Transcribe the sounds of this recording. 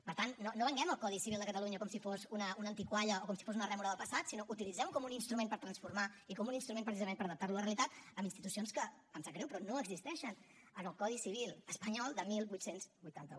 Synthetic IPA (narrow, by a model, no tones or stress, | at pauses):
pəɾt̪anːonːoβəŋɡɛməlˠkɔðisiβilˠd̪əkət̪əluɲəkɔmsifosunəunəːnt̪ikwaʎəokɔmsi̥fozunərɛmuɾəðəlˠpəsat̪sinoʔut̪ilid͡zɛmukɔmuninst̪ɾumẽnpəɾt̪ɾənsfurmaikɔmuninst̪ɾumẽnpɾəs̬izəmenpəɾəðəp̚t̪aɾluələreəlit̪at̪əminst̪it̪usionskə | əmzəkɾɛwpɾɔnoəɡzist̪ɛʃən | ənəlˠkɔðisiβilˠəspəɲɔlˠd̪əmilˠbujt̪senzbujt̪ant̪əu